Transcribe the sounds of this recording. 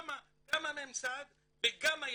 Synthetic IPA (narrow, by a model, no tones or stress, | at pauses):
ma | ɡamamemsad̪ | beɡamaj